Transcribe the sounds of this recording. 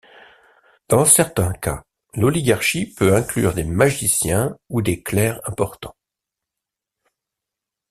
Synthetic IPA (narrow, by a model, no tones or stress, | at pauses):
d̪̥ɑ̃sɛʁt̪ɛ̃ka̰ | lɔliɡaʁʃipøɛ̃klyʁd̪emaʒisjɛ̃ud̪eklɛʁɛ̃pɔʁt̪ɑ̰̃